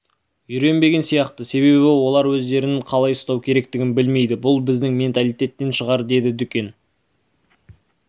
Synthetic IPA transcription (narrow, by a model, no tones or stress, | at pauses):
jʏɾe̞nbe̞ɡʲe̞nsijɑqt̪əse̞βe̞βɪwo̞lˠɑɾwɵzd̪e̞ɾɪnɪɴqʰɑlˠɑjʊst̪ɑwkʲʰe̞ɾe̞kt̪ɪɡʲɪnbɪlme̞jd̪ɪbʊlˠbɪzd̪ɪŋmʲe̞nt̪alˠijt̪ʲe̞t̪ːe̞nʃəʁɑɾd̪e̞d̪ɪd̪ʏkʲe̞n